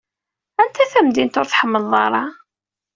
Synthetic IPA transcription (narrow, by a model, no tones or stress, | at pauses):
ænt̪æθæmd̪int̪ʊɾθħəmːəlðˤɑɾˤɑ